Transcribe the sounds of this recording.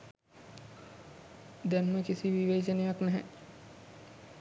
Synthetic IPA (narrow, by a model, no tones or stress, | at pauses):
d̪ænməkisiʋiʋeːd͡ʒənejaknæɦɛ